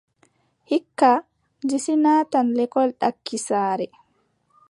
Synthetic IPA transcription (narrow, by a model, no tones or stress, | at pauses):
hikːa | d͡ʒisinaːtanlɛkɔlɗakːisaːɾɛ